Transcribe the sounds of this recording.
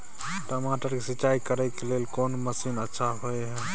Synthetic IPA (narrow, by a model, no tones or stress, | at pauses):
ʈəmaʈəɾkesit͡ʃaikəɾɛkelelkoːnməsinətːʃʰaɦoeɦɛ